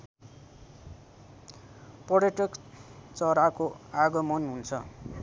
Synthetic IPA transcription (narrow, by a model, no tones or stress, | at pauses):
pʌɾjʌʈʌkt͡sʌɾakoaɡʌmʌnɦunt͡sʰʌ